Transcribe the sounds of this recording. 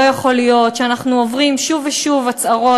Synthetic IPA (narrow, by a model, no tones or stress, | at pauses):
jaχo̞lijo̞tʃeanaχnuovʁimʃuveʃuvat͡saʁo̞